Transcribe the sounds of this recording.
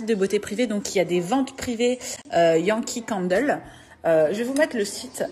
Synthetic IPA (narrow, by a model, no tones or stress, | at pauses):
it̪̚d̪əbot̪epχived̪ɔ̃kiljad̪evɑ̃t̪pχiveøjɑ̃kʲʰikɑ̃nd̪ɛl | øʒəvumɛt̪χləsit̪